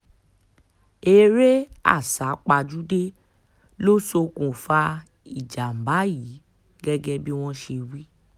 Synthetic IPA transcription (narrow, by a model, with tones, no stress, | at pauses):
e˧ɾe˦a̰˦˨sa˨˦k͡pa˧d͡ʒu˦de˦ | lo˦so˧kũ˨fa˧˦ | i˦˨d͡ʒa˨m̩˨ba˨˦ji˨˦ | ɡɛ˦ɡɛ˦bi˦w̃ɔ̃˦ʃe˧wi˦